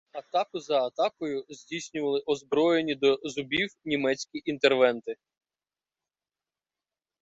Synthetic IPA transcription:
ɐt̪ɑkʊzɐːt̪ɑkɔjʊzʲdʲijsʲnʲʊʋɐlˠɪʔɔzbɾɔjenʲid̪ɔzʊbʲiwnʲimɛt͡sʲkʲiʔint̪erʋɛnt̪ɪ

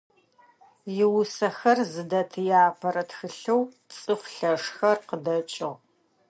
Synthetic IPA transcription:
jɪwʊsɐxɐrzɨdɐtʰɨjaːpʰɐɾɐtxɨɬɐw | t͡sʼɨχʷɬɐʂxɐrqədɐt͡ʃʼɪʁ

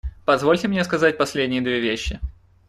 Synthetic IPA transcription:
pɐzvo̞lʲtʲɪmnʲeskɐzat̚ʲpɐsʲlʲedʲnʲɪjəd̪vʲevʲeɕːɪ

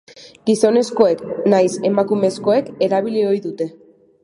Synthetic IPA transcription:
ɡ̥iso̞ne̞sko̞e̞knajse̞makume̞sko̞e̞ke̞ɾaβ̞ilio̞jðut̪e̞

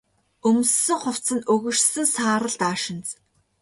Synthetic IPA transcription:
ɵm̆sːɵ̆ŋχʊw̥t͡sə̆nɵɣɵ̆ʃsɘ̆ŋsaːɾə̆ɮt̪aːʃɪ̆nt͡s

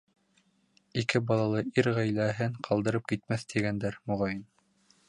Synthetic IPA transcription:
ikɘbɑlˠɑlˠɤiɾʁæjlæɦɘŋqʰɑlˠd̪ɤ̆ɾɤp̚kit̪mæθt̪ʰiɡænd̪æɾmŏʁɑjɤn

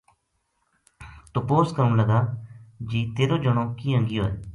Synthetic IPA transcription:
t̪opoːskəmləɡaːd͡ʒiːt̪eːɾoːd͡ʒəɳ̃õːkiːɦə̃ŋɡɪjoːɛ̰ː

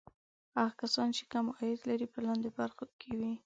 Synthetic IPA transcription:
aɣkasɑnt͡ʃe̥kamɑjɪd̪laɾipəlɑnd̪ebaɾxokʰewi

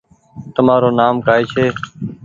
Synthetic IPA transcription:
t̪əmaːɾoːnaːmkaːeːt͡ʃʰeː

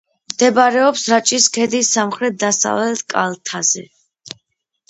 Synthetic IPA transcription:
md̪ɛbaɾɛɔpsɾat͡ʃʼiskʰɛd̪isːamχɾɛt̪̚d̪asa̰vlɛt̪ʰkʼa̰lˠt̪ʰazɛ

